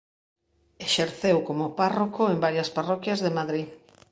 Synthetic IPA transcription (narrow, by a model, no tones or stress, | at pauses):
eʃeɾθewkomoparokoembaɾjasparɔkjazðemaðɾi